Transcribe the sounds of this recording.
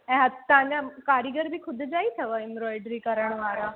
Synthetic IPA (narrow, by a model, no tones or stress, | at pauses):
ɦatt̪ːãɲd͡ʑakaɾiɡəɾbʱiːkʰud̪ʱd͡zait̪ʰəʋəimɾɔjɖɾiːkəɾəɳʋaɾa